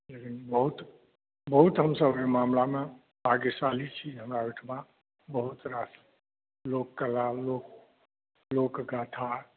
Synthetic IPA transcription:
lekinbəɦut̪ | bəɦut̪ɦəmsəbemamlame | bʱaɡesalit͡ʃʰiɦəmɾaʋiʈʰma | bəɦut̪ɾas | lokːəlalok | lokɡaʈʰa

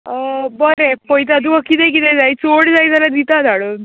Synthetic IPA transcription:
əbəɾepɔjt̪̬ad̪ũəkːit̪ɛ̃kit̪ɛ̃d͡zajt͡soɽd͡zajd͡z̪alad̪it̪ad͡z̪ʱaɽon

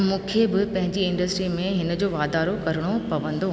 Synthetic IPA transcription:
mũːkʰebɪpɐ̃ɦɪ̃ɲd͡ʑiɪ̃ɳɖəsʈɾimẽɦɪnəd͡ʑoːʋaːd̪aːɾokɐɾəɽ̃opɐʋə̃nd̪oɦ

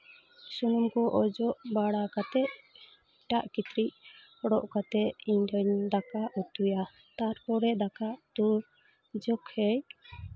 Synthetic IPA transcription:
sunumkɔʔɔd͡ʒɔʔbaɽakat̪ɛʔ | ʈaʔkit̪ɾic̚ | ɔɽɔʔkat̪ɛiɲdɔɲd̪akaʔut̪uja | t̪aɾkɔɽɛd̪akaʔt̪uɾ | d͡ʒɔkhɛj

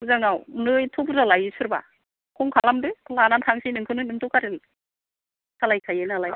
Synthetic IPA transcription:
uzaŋawnɯjtʰubuɾalajɯsuɾba̰ | kʰɔŋkʰalamdɯlanantʰaŋsinɯŋkʰɯnɯnɯŋtʰukaɾil | kʰalajkʰajenalaj

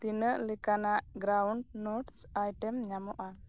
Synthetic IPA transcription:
t̪inəʔlɛkanaʔɡɾawɳɖnoʈsajʈɛmɲamɔʔa

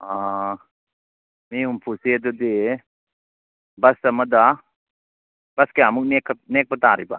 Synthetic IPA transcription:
a | miumpʰusied̪ud̪e | bɐsɐməd̪a | b̥ɐskeamuk̚nekneːk̚bət̪aɾḭba̰

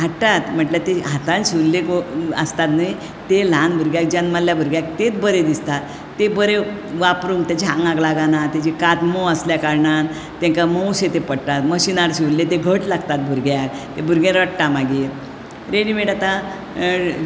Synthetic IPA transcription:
ɦaʈːat̪m̤əʈljat̪eɦat̪ãnɕiʋllekoə̰st̪at̪naj | t̪elãnbʱuɾɡjak̚d͡ʑanmalːjabʱuɾɡjak̚t̪et͡s̪bəɾed̪ist̪at̪ː | ebəɾe | ʋapɾuŋɡt̪ed͡ʑʱãŋɡaɡlaɡanat̪jad͡ʑikat̪moəsljakaɾɳan | t̪ːɛ̃ŋkamowset̪epəɽt̪at̪məɕinaɾɕiʋllːet̪eɡʱəʈlaɡt̪at̪̚bʱuɾɡjak̚t̪ebʱuɾɡẽɾəʈʈamaɡi | ɾeɽimeʈat̪a

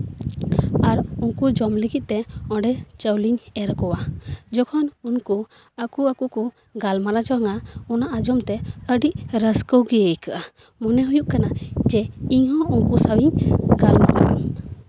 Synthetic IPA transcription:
aɾuŋkud͡ʒɔmliɡit̪̚t̪ɛɔ̃ɖɛt͡ʃəwliɲɛɾkɔwad͡ʒɔkʰɔnunku | akuakuku | ɡalmaɾad͡ʒɔaŋaɔnaʔad͡ʒɔmt̪ɛəɖiʔɾəskəwɡijejkaʔa | mɔnɛɦujuʔ̚kanad͡ʒɛiɲɦɔ̃uŋkusawiɲɡalma̰ʔa̰ʔa̰

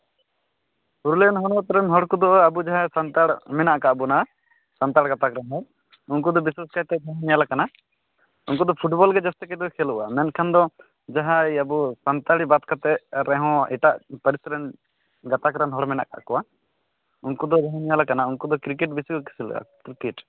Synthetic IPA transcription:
puɾulɛnɦɔɽɔt̪ɔɾɛnɦɔɽkɔd̪ɔʔabud͡ʒaɦãsant̪aɽmɛnaʔkaʔbuna | sant̪aɽɡat̪akɾanɦɔɽ | unk̬ud̪ɔbisaskajt̪ɛd͡ʒaɦɔ̃nijalakana | unkud̪ɔpʰuʈbɔlɡɛd͡ʒast̪ɛkɛd̪ɔkʰɛlṵʔamɛnkʰand̪ɔ | d͡ʒaɦajabusant̪aɽibat̪̚kat̪ɛʔɾɛɦɔ̃ɛ̰ʈaʔpəɾisɾən | ɡat̪akɾanɦɔɽmɛna̰ʔka̰ʔkɔwa | unkud̪ɔd͡ʒaɦɔ̃nijalakanaunkud̪ɔkɾik̬ɛʈ̚bisikɔki̥silṵa̰kɾikɛʈ

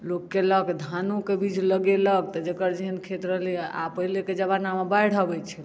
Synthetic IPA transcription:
lokːeləkd̪ʱanukebid͡ʒʱləɡeləɡ̚t̪ɔd͡ʒekəɾd͡ʒiɦənkʰet̪ɾəɦlia̰pəileked͡ʒəbanamabajɽ̤əbɛt͡ʃʰɛ

